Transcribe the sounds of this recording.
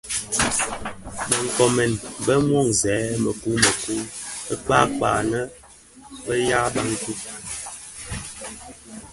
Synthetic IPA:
bə˨ŋ̩˨kɔ˨mɛ˨nbə˦m˦ɔ˦˨ŋzɛː˨˦mə˨ku˦mə˨ku˦ə˦k͡pa˦k͡pa̰ː˨nə˦ | bə˦ja˦ɓa˦ŋ˦tu˦

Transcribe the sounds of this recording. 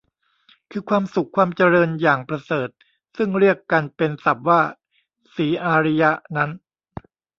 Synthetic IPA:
kʰɯː˧kʰwaː˧msu˨˩kʰːwaː˧mt͡ɕa˧ɾɤː˧njaː˨˩ŋpɾa˧sɤː˨˩t̪̚ | sɯ˥˩ŋɾi˥˩əkːa˧npe˧nsa˨˩p̚waː˥˩ | siː˩˦ʔaː˧ɾi˦˥ja˦˥ʔna˦˥n

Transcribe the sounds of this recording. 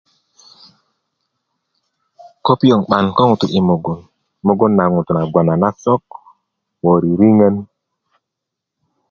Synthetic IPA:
ko˦pi˦jo˨ŋɓa˨nko˦ŋu˨tu˨ʔi˨mo˨ɡo˨n | mo˦ɡo˦nːa˨ŋu˨tu˨na˨ɡwa˨na˨na˦so˦k | wo˨ɾi˨ɾi˦ŋə˦n

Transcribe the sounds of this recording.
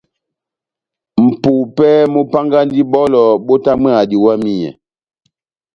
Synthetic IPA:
m̩˨pu˨pɛ˦mu˦pa˦ŋɡa˦n˦di˦bɔ˦lɔ˨bo˦ta˦mɛ˦a˨di˨wa˦mi˦jɛ̰˨

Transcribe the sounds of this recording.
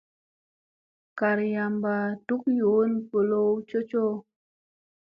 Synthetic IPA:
ka˨ɾja˨mba˨tu˦kjo˨˦npo˨lo˦wt͡ʃo˦t͡ʃo˦

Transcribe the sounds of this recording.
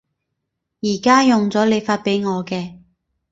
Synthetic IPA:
jiː˨˩kaː˥jʊ˨ŋt͡sɔː˨˥le˨˧jfaː˧t̚pe˨˥jŋɔː˨˧kɛː˧

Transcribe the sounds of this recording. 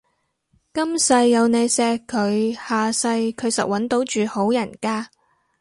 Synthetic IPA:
kɐ˥msɐ˧jːɐ˨˧wne˨˧jsɛː˧kʰːɵ˨˧ɥhaː˨sɐ˧jkʰɵ˨˧ɥsɐ̰˨˩k̚wɐ˨˥nt̪o˨˥wt͡ʃyː˨ho˨˥wjɐ˨˩nkaː˥

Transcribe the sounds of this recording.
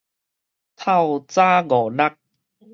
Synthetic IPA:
t̪ʰa˥˧˨wt͡saː˦ɣɔ˨˩na˦k̚

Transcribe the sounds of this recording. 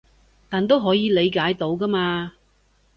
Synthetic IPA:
t̪aː˨nt̪o˥wɦɔː˨˥jiː˨˧le˨˧jkaː˨˥jt̪o˨˥wkɐː˥maː˧

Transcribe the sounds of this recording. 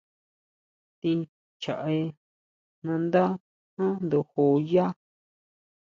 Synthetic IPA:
t̪i˧ | t͡ʃa˨ʔe˧ | nã˧nd̪a˦ | hã˦nd̪u˨ho˧ja˦

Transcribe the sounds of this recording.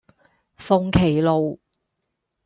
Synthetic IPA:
fo˧˥ŋkʰe˨˩jlo˨w

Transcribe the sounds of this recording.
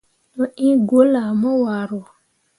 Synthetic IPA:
no˨ʔĩ˦ɡo˦la˨mɔ˦wa˨ɾo˨

